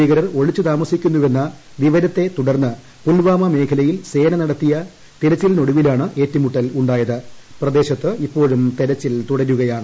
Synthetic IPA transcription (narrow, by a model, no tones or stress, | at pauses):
iːɣɐɾɐro̞ɻit͡ɕːɨt̪aːmɐsikʲːunːuʋe̞nːɐ | ʋiʋɐɾɐt̪ːe̞t̪uɽɐrnːɨ | pulʋaːmɐme̞ːkʰɐlɐjilse̞ːnɐnɐɽɐt̪ːijɐ | t̪eɾɐt͡ɕːilno̞ɽuʋilaːɳɨʔe̞ːtːumuʈːɐluɳɖaːjɐðɨprɐd̪e̞ːɕɐt̪ːɨipːo̞ːɻumt̪eɾɐt͡ɕːilt̪uɽɐɾuɣɐjaːɳɨ